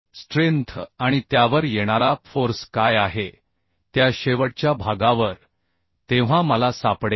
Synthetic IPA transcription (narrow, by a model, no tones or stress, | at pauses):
sʈɾent̪ʰaɽ̃it̪jaʋəɾjeɽ̃aɾafoɾskajaɦe | t̪jaɕeʋəɽ̚t͡ɕjabʱaɡãʋəɾ | t̪eʋ̤ãməlasapɽe